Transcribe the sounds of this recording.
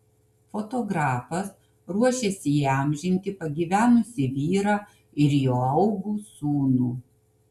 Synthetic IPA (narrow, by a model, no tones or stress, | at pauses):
fot̪oːɡɾɑːfɐs | ɾuɔʃʲeːsʲɪiɑˑmʲʒʲɪnʲt̪ʲɪpɐɡʲiːʋʲæːnʊsʲɪʋʲiːɾɑː | ɪɾjoːɐʊɡuːsuːnuː